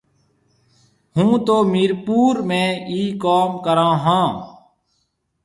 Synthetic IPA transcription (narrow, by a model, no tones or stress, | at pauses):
hũːt̪oːmiːɾpuːɾmẽːiːkaːmkəɾãːɦãː